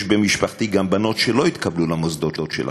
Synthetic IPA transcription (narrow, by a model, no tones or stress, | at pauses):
ʃbemiʃpaχt̪iɡambano̞t̪ʃelo̞it̪kablulamozd̪o̞tdo̞t̪ʃḛl